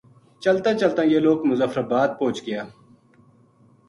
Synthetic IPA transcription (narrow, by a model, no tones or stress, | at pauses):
t͡ʃɐlt̪ãːt͡ʃɐlt̪ãːjeːloːkmʊzəfɾɐbaːd̪̚põːt͡ʃɡɪjaː